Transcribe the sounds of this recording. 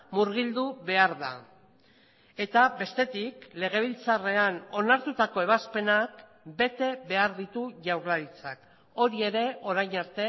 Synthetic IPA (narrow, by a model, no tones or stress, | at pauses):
muɾɣ̞ild̪uβe̞aɾða̰ | e̞t̪aβe̞st̪e̞t̪ikle̞ɣ̞e̞β̞ilt͡sare̞ano̞naɾt̪ut̪ako̞e̞β̞aspe̞nak | be̞t̪e̞βe̞aɾðit̪uʝawɾlaɾit͡sak | o̞ɾie̞ɾe̞o̞ɾajɲaɾt̪e̞